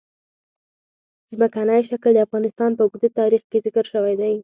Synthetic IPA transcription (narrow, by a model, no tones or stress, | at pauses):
zməkanəjʃakld̪əafɣɑnɪst̪ɑnpəɡd̪et̪ɑɾixkezɪkəɾʃəwajd̪aj